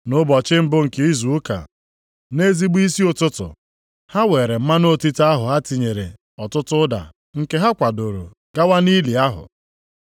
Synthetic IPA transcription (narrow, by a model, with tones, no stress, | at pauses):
nʊ˦bɔ˨t͡ʃɪ˦m̩˦bʊ˦ŋ̩˨ke˦i˦zu˨u˦ka̰˨ | ne˦zi˦ɡ͡bi˦si˦o˦tʊ˦tʊ̰˨ | ha˦weː˨ɾe˨m̩˦ma˦no˦ti˦ta˦ɦʊ˨ɦa˦ti˨ɲe˨ɾḛ˨ | ɔ˨tʊ˦tʊ˦da̰˨ | ŋ̩˨ke˦ɦa˦kʷa˨do˨ɾo̰˨ | ɡ̥a˦wa˦ni˦li˨a˦ɦʊ̰˨